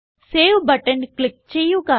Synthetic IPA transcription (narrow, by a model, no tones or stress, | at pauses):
seːwbɐʈənklɪk̚t͡ʃejũka